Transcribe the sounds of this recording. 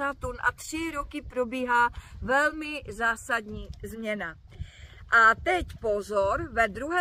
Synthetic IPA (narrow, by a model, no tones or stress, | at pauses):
at̪unʔa̰t̪r̝̥ɪɾokɪpɾobiːɦaːvɛlmɪzaːsadɲiːzmɲɛna | ʔat̪ɛcpo̞zoɾvɛd̪ɾuɦɛ